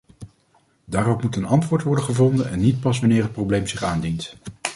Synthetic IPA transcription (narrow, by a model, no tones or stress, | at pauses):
daːɾɔpmutənɑntʋʊːɹtʋɔɹdəχəvɔndənɛnːit̚pɑsʋɑnɪːɹɦət̚prowblejmzɪχaːndint